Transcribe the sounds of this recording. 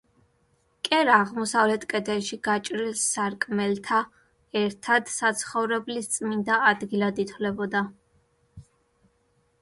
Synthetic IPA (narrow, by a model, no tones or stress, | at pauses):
kʼɛɾaːʁmɔsavlɛt̪ʰkʼɛd̪ɛʃiɡat͡ʃʼɾilsːaɾkʼmɛlt̪ʰa | ɛɾt̪ʰad̪sat̪sʰχɔvɾɛblist̪sʼmind̪aːd̪ɡilad̪it̪ʰlɛbɔd̪a